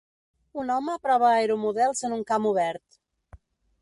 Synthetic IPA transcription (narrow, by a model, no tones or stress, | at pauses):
unɔməpɾɔβəajɾumuðɛlˠzənuŋkamuβɛɾt̪